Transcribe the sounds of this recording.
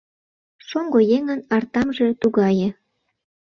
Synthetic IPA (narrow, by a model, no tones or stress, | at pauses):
ʃoŋɡojeŋənɑrt̪ɑmʒet̪uɣɑjĕ